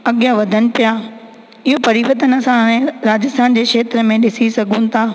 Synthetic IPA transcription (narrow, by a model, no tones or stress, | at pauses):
ɐɠijaʋɐd̪ʱənɪ̆pijaː | ɪɦopɐɾiːʋət̪ənɐsãɦɽ̃ẽɾaːd͡ʑɪst̪ʰaːnd͡ʑeːkʃeːt̪ɾəmẽɗɪsisɐɡʱũnɪ̆t̪ʰaː